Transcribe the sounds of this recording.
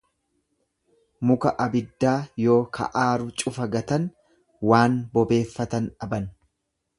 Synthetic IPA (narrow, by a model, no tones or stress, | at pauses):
mʊkɐʔɐbɪd̪ːaːjo̞ːkʰɐ̰ʔaːɾʊt͡ʃʼʊfɐɡɐt̪ɐn | waːnbɔbe̞ːfːɐt̪ɐnɐbɐn